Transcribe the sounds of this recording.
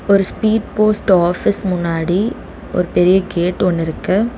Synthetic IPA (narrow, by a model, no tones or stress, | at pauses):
ɔɾɯspiːɖpoːsʈaːfɪsmʊnːaːɽi | ʔɔ̰ɾɯpɛɾɪjɐɡeːʈɔnːɪɾɯkːɐ